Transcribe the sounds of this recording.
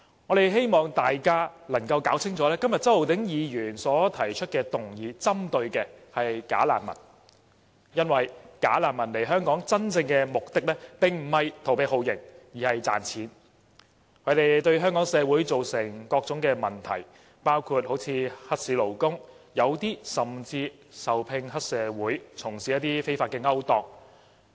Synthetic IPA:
ŋɔ˨˧ɾe˨jɦe˥jmɔː˨ŋt̪aː˨jkaː˥lɐ˨˩ŋkɐ˧wkaː˨˥wt͡sʰɪ˥ŋt͡sɔː˨˥lɛː˥kɐ˥mjɐ˨t̚t͡sɐ˥wlo˨wt̪ɪ˨˥ŋjiː˨˧jyː˨˩nsɔː˨˥t̪ʰɐ˨˩jt͡ʃʰɵ˥t̚kɛː˧t̪ʊ˨˩ŋjiː˨t͡sɐ˥mt̪ɵ˧ɥkɛ˧hɐ˨jka̰ː˨˥la̰ː˨˩nmɐ̰˨˩n | jɐ˥nwɐ˨jka̰ː˨˥laː˨˩nmɐ˨˩nle˨˩jɦœː˥ŋkɔː˨˥ŋt͡sɐ˥nt͡sɪ˧ŋkɛː˧mʊ˨k̚t̪ɪ˥k̚lɛː˥pɪ˨ŋm̩˨˩hɐ˨jt̪ʰwpe˨˧jɦo˨˧wjɪ˨˩ŋjiː˨hɐ˨jt͡sa̰ː˨˩nt͡sʰiː˨˥n | kʰɵ˨˧˥t̪e˨jt̪ɵ˧ɥɦœː˥ŋkɔː˨˥ŋsɛː˨˧wuː˨˥jt͡so˨wsɪ˨˩ŋkɔː˧k̚t͡sʊ˨˥ŋkɛː˧mɐ˨˩nt̪ʰɐ̰˨˩j | paː˥wkʰu˧t̚ho˨˥wt͡sʰiː˧hɐ˥t̚siː˨˥lo˨˩wkʊ˥ŋ | jɐ˨˧wt̪iː˥sɐ˨mt͡siː˧ | sɐ˨wpʰɪ˧ŋhɐ˥t̚sɛː˨˧wuː˨˥jt͡sʰʊ˨˩ŋsiː˨˥jɐ˥t̪iː˥fe˥jfaː˧t̚kːɛː˧ŋɐ˥wt̪ɔː˧k̚

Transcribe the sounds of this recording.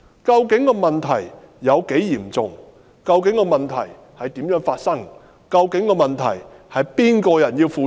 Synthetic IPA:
kɐ˧wkɪ˨˥ŋkɔː˧mɐ˨nt̪ʰɐ˨˩jː | ɐ˨˧wke˨˥jjiː˨˩mt͡sʊ˨˧ŋ | kɐ˧wk̬ɪ˨˥ŋkɔː˧mɐ˨nt̪ʰɐ̰˨˩j | hɐ˨jt̪iː˨˥mjœː˨˥ŋfaː˧t̚sɐ˥ŋ | kɐ˧wkɪ˨˥ŋkɔː˧mɐ˨˩nt̪ʰɐ̰˨˩jhɐ˨jpiː˥nkɔː˧jɐ˨˩njiː˧wfuː˨˧

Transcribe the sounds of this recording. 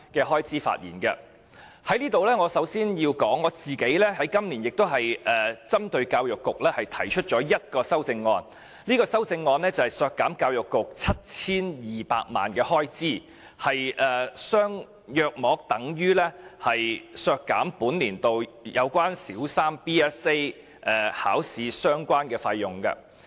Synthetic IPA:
kɛː˧ɦɔː˥jt͡siː˥fa̰ː˧t̚jiː˨˩nkɐ̰˧ | hɐ˨˥jliː˥t̪o˨wlɛː˥ŋɔː˨˧sɐ˨˥wsiː˥njiː˧wkɔː˨˥ŋːɔː˨˧t͡siː˨ke˨˥jlɛ˥ɦɐ˨˥jkɐ˥mliː˨˩njɪ˨k̚t̪o˥wɦɐ˨jʔɛː˨˩t͡sɐ˥mt̪ɵ˧ɥkaː˧wjʊ˨kːʊ˨k̚lɛː˥hɐ˨jt̪ʰɐ˨˩jt͡ʃʰɵ˥t̚t͡ʃɔː˨˥jɐ˥t̚kɔː˧sɐ˥wt͡sɪ˧ŋːɔː˧n | liː˥kɔː˧sɐ˥wt͡sɪ˧ŋːɔː˧nlɛː˥t͡sɐ˨˩hɐ˨˩jsœː˧kːaː˨˥mkaː˧wjʊ˨kːʊ˨k̚t͡sʰɐ˥t̚t͡sʰiː˥njiː˨pa̰ː˧k̚ma̰ː˨˩nkɛː˧hɔː˥jt͡siː˥˩ | hɐ˨jʔɛː˨sœː˥ŋ | jœː˧k̚mɔː˨˥k̚t̪ɐ˨˥ŋjyː˥lɛː˥hɐ˨jsœː˧kːaː˨˥mpuː˨˥nliː˨˩nt̪o˨wjɐ̰˨˧wkʷaː˥nsiː˨˥wsaː˥mpiː˥ɛː˦˥se˥j | ʔɛː˨˩haː˨˥wsiː˨˧sœː˥ŋkʷaː˥nkɛː˧faː˧jːʊ˨ŋkɐ̰˧

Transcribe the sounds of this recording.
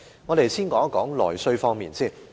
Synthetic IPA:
ŋɔː˨˧ɾe˨jsiː˥nkɔː˨˥kɔː˨˥ŋlɔ̰ː˨˩jsɵ˧ɥfɔː˧ŋmiː˨˩nsiː˥˩n

